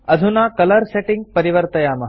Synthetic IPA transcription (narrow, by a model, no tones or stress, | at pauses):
ɐd̪ʱunaːkɐlɐɾseːʈiŋɡ̚pɐɾiʋɐɾt̪ɐjaːmɐ